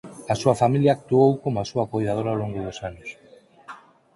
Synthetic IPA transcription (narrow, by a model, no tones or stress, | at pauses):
asuafamiljaːk̚t̪uowkomoasuakojðað̞oɾaowloŋɡʊðʊsanʊs